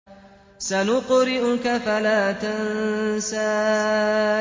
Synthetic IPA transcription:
sanʊqʊɾɪʔʊkafalaːt̪ansaː

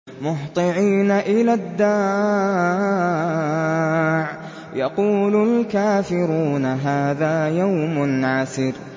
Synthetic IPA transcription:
mʊht̪ˤɨʕiːnaʔɪlad̪ːaː | ʕ | jɑquːlʊlkaːfɪɾuːnaɦaːðaːjawmʊnʕasɪɾ

